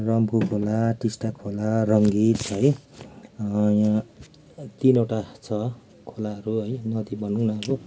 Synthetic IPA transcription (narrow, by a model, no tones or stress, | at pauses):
rʌmkukʰolaʈisʈakʰolarʌŋɡit̪ɦʌj | jã | t̪inewʈat͡sʰʌ | kʰolaɦʌɾuɦʌjnʌd̪ibʌnuwnʌɦʌɾu